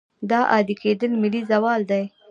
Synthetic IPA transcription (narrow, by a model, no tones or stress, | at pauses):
d̪ɑʔɑd̪iked̪əlmɪlizawɑld̪aj